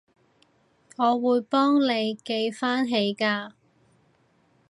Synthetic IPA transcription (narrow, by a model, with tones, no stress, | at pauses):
ŋɔː˨˧wuː˨˧jpɔː˥ŋle˨˧jke˧jfaː˥nɦe˨˧jkaː˧